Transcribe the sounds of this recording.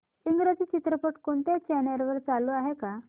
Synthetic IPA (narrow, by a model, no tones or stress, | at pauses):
iŋɡɾəd͡ziːt͡ɕit̪ɾəpəʈkoɳt̪et͡ɕɛnəɾʋəɾt͡salːoaɦeka